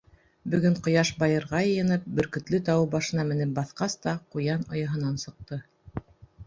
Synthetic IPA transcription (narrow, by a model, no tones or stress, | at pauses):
bɵ̆ɡɵɴqŏjɑʃbɑjɤ̆ɾʁɑjɤ̆jɤ̆nɤp̚bɵ̆ɾkɵ̆t̪lɘt̪ɑwɤbɑʃɤ̆nɑmɘ̆nɘp̚bɑθqɑst̪ɑqujɑnɑjɑɦɤ̆nɑnsɤ̆q̚t̪ɤ